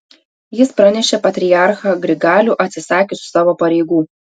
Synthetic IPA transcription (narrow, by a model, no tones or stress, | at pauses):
jɪspɾɐnʲɛʃʲeːpɐt̪ʲɾʲɪjɑˑɾxɑɡɾʲɪɡɑːlʲuʔɐt̪ʲsʲɪsɑːkʲesʊ̥sɑːʋoːpɐɾʲɛɪɡuː